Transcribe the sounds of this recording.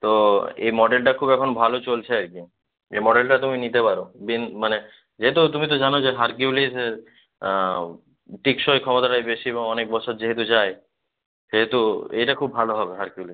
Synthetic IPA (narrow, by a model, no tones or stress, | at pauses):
t̪oḛmɔɖelʈakʰubɛkʰonbʱalot͡ɕolt͡ɕʰeaɾki | ḛmɔɖelʈat̪uminit̪epaɾobinmane | d͡ʑeɦet̪̬ut̪umit̪̬ɔd͡ʒanod͡ʑeɦaɾkiulise | ʈikʃojkʰɔmot̪aʈajbeʃieβoŋɔnek̚bɔt͡ɕʰoɾd͡ʑeɦet̪̬ud͡ʑae | ʃeɦet̪uejʈakʰubːʱaloɦɔbeɦaɾkiulis